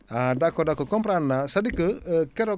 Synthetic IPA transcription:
adakɔdakɔkɔmpɾanːasadikəkɛɾɔ

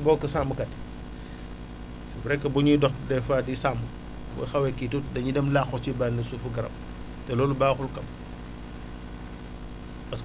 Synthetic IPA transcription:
bɔːkɐsambukɐt | sɐbuɾɛkːɐbuɲudɔxdɛfaːdisambu | bṵjxɐwɛkːitudɐɲidɛmlaxɔt͡ʃibaːnɐsufuɡɐɾɐ̰p | tɛlɔːlubaːxulkɐm | bɐs

